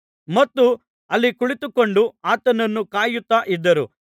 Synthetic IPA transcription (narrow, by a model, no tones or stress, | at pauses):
mɐt̪ːu | ɐlːikuɭit̪uko̞ɳɖuaːt̪ɐnɐnːukaːjut̪ːaʔid̪ːɐɾu